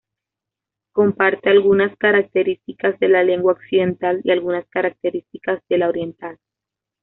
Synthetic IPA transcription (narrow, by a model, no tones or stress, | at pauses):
ko̞mpaɾt̪e̞alɣunaskaɾak̚t̪e̞ɾist̪ikazðe̞lale̞ŋɡwaoksiðe̞nt̪alḭalɣunaskaɾak̚t̪e̞ɾist̪ikazd̪e̞laoɾje̞nt̪al